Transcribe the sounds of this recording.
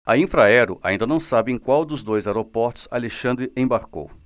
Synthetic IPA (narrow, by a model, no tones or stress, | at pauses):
ɐĩfɾaɛɾʊʔa̰ĩd̪ɐnɐ̃w̃sabɪẽj̃kwawd̪ʊzd̪ojzaɛɾopɔɾt̪ʊ̥sa̰leʃɐ̃nd̪ɾɪẽbaɾko̰w